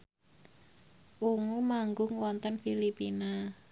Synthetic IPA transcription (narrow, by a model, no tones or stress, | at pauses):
ʔuŋumaŋɡʊŋwɔnt̪ənfilipina